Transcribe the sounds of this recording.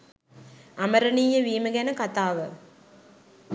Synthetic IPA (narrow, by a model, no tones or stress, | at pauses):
ɐmɐɾɐnijɐʋiːmɐɡɛnɐkɐt̪aːʋə